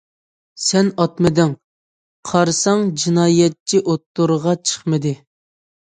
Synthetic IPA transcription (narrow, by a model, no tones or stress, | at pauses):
sɛnɑt̪mɨd̪ɪŋ | qʰɑɾsɑŋd͡ʒinɑːjɛt̚t͡ʃʰːiʔot̪ːuɾʁɑt͡ʃʰə̥χmɨd̪ɨ